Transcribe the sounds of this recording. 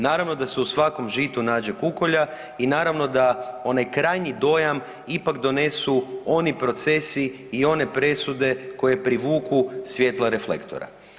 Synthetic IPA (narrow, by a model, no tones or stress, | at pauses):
naːɾaʋno̞d̪ase̞usʋako̞mʒit̪unaːd͡ʑekuko̞ʎa | inaːɾaʋno̞d̪ao̞najkɾaːjɲid̪o̞jam | ipakd̪o̞ne̞suo̞nipɾo̞t̪se̞siː | o̞ne̞pɾe̞sud̪e̞ko̞je̞pɾiʋuːkusʋje̞t̪lˠaɾe̞flḛkt̪o̞̰ɾa̰